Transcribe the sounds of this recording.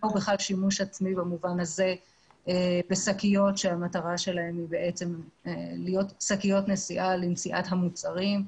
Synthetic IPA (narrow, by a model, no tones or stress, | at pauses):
ubeχlalʃimuʃat͡smibamuvanaze̞ | ebesakijo̞tʃe̞amataʁaʃe̞lahe̞mibeʔet͡se̞melijo̞tsakijo̞tnesiʔalint͡siʔatɦamut͡saʁim